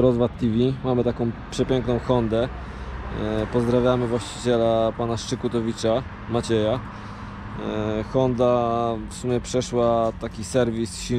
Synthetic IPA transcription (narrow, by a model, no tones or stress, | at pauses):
ɾɔzvat̪ːivʲimamɘt̪akɔ̃w̃pʂɛpʲjɛŋknɔ̃w̃xɔnd̪ɛ | pɔzd̪ɾavʲjamɘvwaɕt͡ɕi̥t͡ɕɛlapanaʂt͡ʂɘkut̪ɔvʲit͡ʂa | mat͡ɕɛja | xɔnd̪afsumʲjɛpʂɛʂwat̪akʲisɛɾvʲisɕi